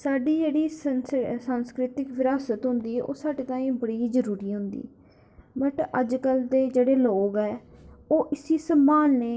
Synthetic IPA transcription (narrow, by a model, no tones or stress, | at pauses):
saːɖiːd͡ʒeːɽiːssãːnskɾɪt̪ɪkʋɪɾaːsət̪ɦʊ̃nd̪iːɛːʔo̰ːsaːɖeːt̪ãːĩːbəɽiːzəɾuːɾiːɦʊ̃nd̪ḭː | bəʈəd͡ʒkəld̪eːd͡ʒeːɽeːloːɡɛːoːʔɪsiːsəmaːlneː